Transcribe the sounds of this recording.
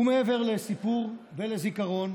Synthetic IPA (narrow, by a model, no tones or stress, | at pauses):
umeeveʁlesipuʁvelezikaʁo̞n